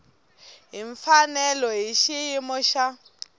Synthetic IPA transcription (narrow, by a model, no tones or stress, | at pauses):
ɦiɱfanɛlɔɦiʃiɦimʊʃa